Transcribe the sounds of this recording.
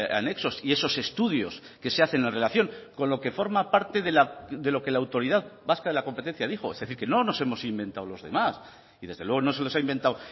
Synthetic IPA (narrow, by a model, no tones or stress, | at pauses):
a̰ne̞kso̞sie̞so̞se̞st̪uðjo̞s | ke̞se̞aθe̞nenre̞laθjo̞ŋko̞nlo̞ke̞fo̞ɾmapaɾt̪e̞ðelaðe̞lo̞ke̞laːwt̪o̞ɾiðaðbaskaðe̞lakompe̞t̪e̞n̟θjaðixo̞ezðe̞θiɾke̞no̞no̞se̞mo̞simbẽ̞nt̪awlo̞zðe̞mas | iðe̞zðelwe̞ɣono̞se̞lo̞saimbe̞nt̪aw